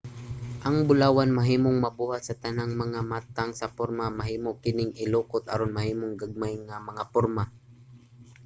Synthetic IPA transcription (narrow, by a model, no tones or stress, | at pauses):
ʔaŋbʊlaːwanmɐɦiːmoŋmɐbuːhat̪̚sɐt̪ɐnaŋmɐŋamat̪aŋsɐpʊɾmamaɦiːmokɪnɪŋɪluːkʊt̪a̰ɾonmahiːmoŋɡaɡ̚majŋamɐŋapʊɾma